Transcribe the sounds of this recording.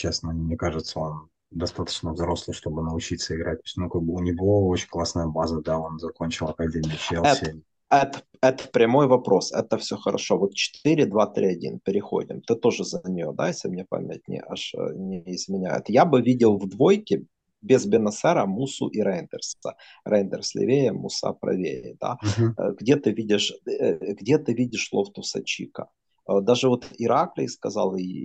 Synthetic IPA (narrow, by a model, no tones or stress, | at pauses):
t͡ɕesnəmnʲekaʐɨt̪səo̞n | d̪ɐst̪at̪ə̥t͡ɕnəvzɾo̞slˠɨʂt̪o̞bɨnəʊt͡ɕit̪səɪɡɾʔat̚ʲt̪osʲt̪ʲnukaɡ̚bɨʊnʲɪvoot͡ɕɪnʲklˠasnəjəbazəd̪ao̞nzɐko̞nʲt͡ɕɪlˠɐkɐdʲemʲɪt͡ɕelɛsʲɪ | ɛt̪ə̥ | ɛt̪ə̥pɾʲɪmo̞jvɐpɾo̞sɛ̰t̪əfsʲoxəɾɐ̰ʂo̞vo̞t̪̚t͡ɕɪ̥t̪iɾʲɪd̪vat̪ɾʲiɐdʲḭnpʲɪɾʲɪxo̞̰dʲɪ̰mt̪ɨt̪o̞ʐɨzənʲɪjo̞̰d̪a̰jesʲlʲɪmnʲepa̰mʲɪt̚ʲnʲɪ̰ʔa̰ʂnʲɪɪzmʲɪnʲæ̰jʊ̰t̪jabɨvʲidʲɪlˠvd̪vo̞jkʲɪ | bʲɪzbʲɪnɐsɛɾəmusʊ̰ʔiɾɛjnd̪ʲərs | rɛjnd̪ərsʲlʲɪ̰vʲejəmʊ̰sa̰pɾɐ̰vʲḛɾʲɪ̰d̪a̰ɡdʲe̞t̪ɨvʲidʲɪʂɡdʲet̪ɨvʲidʲɪʂlˠo̞ft̪ʊsɐ̰t͡ɕḭkə | d̪aʐɨvo̞t̪ɪɾaklʲɪskɐzɑ̰lˠɪ